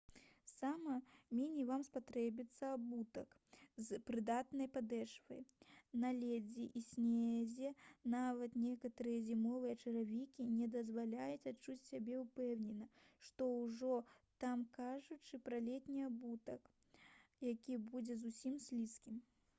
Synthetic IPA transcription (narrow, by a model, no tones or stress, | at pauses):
samɐmʲinʲivamspat̪ɾɛbʲit̪sːɐabut̪ɐk | zpɾɨd̪at̪nɐjpad̪ɛʂvɐ̰jnɐlʲɛd͡zʲiʔisʲnʲezʲɛnavɐt̪nʲekɐt̪ɐɾɨjɐzʲimɔvɨjɐt͡ʂɐɾavʲikʲinʲɛd̪ɐzvalʲajut͡sʲat͡ʂːut͡sʲsʲabʲɛupɛwnʲɛnɐʂt̪ɔwʐɔt̪amkaʐut͡ʂɨpɾɐlʲɛt̪ʲnʲiabut̪ɐk | jakʲibud͡zʲɛzusʲimsʲlʲiskʲim